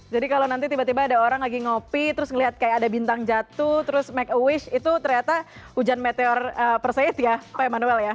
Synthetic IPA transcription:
d͡ʒadikalonant̪it̪ibat̪ibaːdaoɾaŋlaɡiŋopit̪əɾʊsŋəliɦat̪̚kajaadabint̪aŋd͡ʒat̪ʊht̪əɾʊsmɛk̚əwɪʃit̪ut̪ərɲat̪ahud͡ʒanmet̪eɔrəpərsaɪt̪japaamanuɛlja

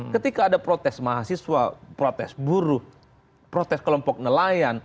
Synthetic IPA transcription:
kət̪ikaːdapɾot̪ɛsmaɦasiswa̰pɾot̪ɛ̰sbuɾʊh | pɾot̪ɛskəlɔmpɔk̚nəlajan

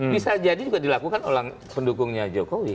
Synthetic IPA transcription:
bisad͡ʒadid͡ʒuɡaʔdilakukanolaŋ | pəndukʊŋɲad͡ʒokowi

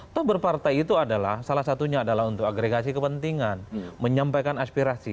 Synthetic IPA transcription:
t̪ɔhbərpart̪ajit̪uadalahsalahsat̪uɲaːdalaɦunt̪ʊkaɡɾeɡasikəpənt̪iŋanməɲampajkanaspiɾasi

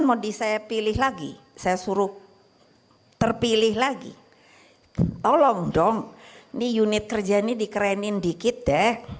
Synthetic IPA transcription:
nmodisajapilɪhlaɡḭ | sajasuɾʊ | t̪ərpilɪhlaɡḭ | t̪olɔŋdɔŋnijunɪt̪̚kərd͡ʒanidikɾɛnɪndikɪt̪̚dɛ

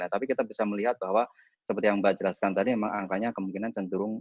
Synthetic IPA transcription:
at̪apikit̪abisaməliɦat̪̚baɦwa | səpərt̪ijaŋbaʔd͡ʒəlaskant̪adimemaŋaŋkaɲakəmuŋkinant͡ʃənt̪uɾʊŋ

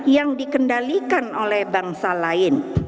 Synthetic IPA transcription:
jaŋdikəndalikanolɛhbaŋsalaɪn

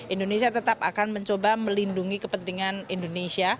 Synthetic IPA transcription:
indonesiat̪ət̪apakanməɲt͡ʃobaməlinduŋikəpənt̪iŋanindonesia

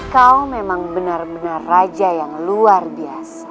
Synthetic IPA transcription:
kawmemaŋbənarbənarːad͡ʒajaŋluarbiasḁ

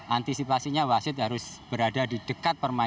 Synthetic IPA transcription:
ʔant̪isipasiɲawasɪt̪̚ɦaɾʊsb̥əɾadadid̥əkat̪̚pərma

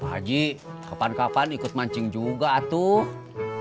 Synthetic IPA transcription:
a̰d͡ʒiʔkapankapanikʊt̪̚maɲt͡ʃɪŋd͡ʒuɡaːt̪uh

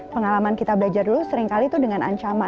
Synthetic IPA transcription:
pəŋalamankit̪abəlad͡ʒardulusəɾiŋkalit̪udəŋana̰ɲt͡ʃama

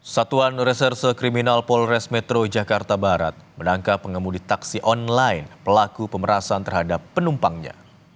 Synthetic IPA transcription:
sat̪uanrɛsɛrsokɾiminalpɔlrɛsmɛt̪ɾod͡ʒakart̪abaɾa̰t̪̚mənaŋkapːəŋəmudit̪aksiʔɔnlaɪnpəlakupəməɾasant̪ərɦadapːənumpaŋɲa̰

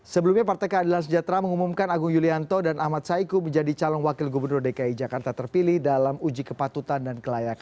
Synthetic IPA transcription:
səbəlumɲapart̪akəːdilans̬əd͡ʒat̪ɾaməŋumumkanaɡʊŋjuliant̪ɔdanʔahmat̪̚saikuməɲd͡ʒadit͡ʃalɔŋwakɪlɡubərnʊrdekaid͡ʒakart̪at̪ərpilɪhdalamud͡ʒikəpat̪ut̪andankəlajaka

